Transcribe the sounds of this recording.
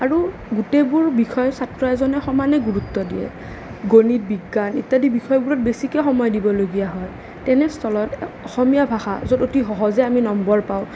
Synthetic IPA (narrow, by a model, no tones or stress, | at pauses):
aɹu | ɡutebuɹbixʰɔjɔsatɹɔɛzɔnɛxɔmanɛɡuɹutːɔdḭjɛ̰ | ɡonit̚biɡːanitːadibixʰɔjɔbuɹɔt̚besikɛxɔmɔjdibɔloɡijaɦɔj | tɛnɛstʰɔlɔtɔxɔmijabʱaxa̰zototiɦɔɦɔzɛaminɔmbɔɹpaʊ̃